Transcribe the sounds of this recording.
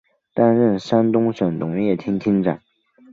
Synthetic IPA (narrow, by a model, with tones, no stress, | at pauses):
t̪a˥nɻə˥˩nʂa˥nt̪ʊ˥ŋʂə˨˩nt̪ʊ˧˥ŋjɛ˥˩t̪ʰi˥ŋt̪ʰi˥ŋʈ͡ʂa̰˨˩˦n